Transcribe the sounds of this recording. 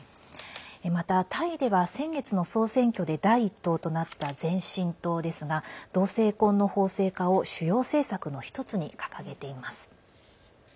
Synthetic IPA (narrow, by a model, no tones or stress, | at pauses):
emat̪at̪ʰaid̪e̞βasẽ̞ŋɡe̞t͡sɨno̞so̞ːsẽ̞ŋkʲo̞d̪e̞d̪aiːt̪ːo̞ːt̪o̞nat̪ːad͡zẽ̞ɰ̃ɕĩnt̪o̞ːd̪e̞sɨɡad̪̥o̞ːse̞ːkõ̞nːo̞ho̞ːse̞ːkao̞ɕɨjo̞ːse̞ːsakɯ̟no̞çi̥t̪o̞t͡sɨɲ̟ikḁkaɡe̞t̪e̞imasɨ̥